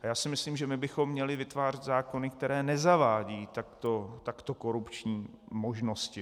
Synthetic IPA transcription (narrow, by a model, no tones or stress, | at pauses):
ajaːsɪmɪsliːmʒɛmɪbɪxo̞mːɲɛlɪvɪt̪vaːr̝ɛt̪zaːko̞nɪk̚t̪ɛɾɛːnɛzavaːɟiːt̪akt̪ot̪akt̪o̞ko̞ɾupt͡ʃɲiː | mo̞ʒno̞scɪ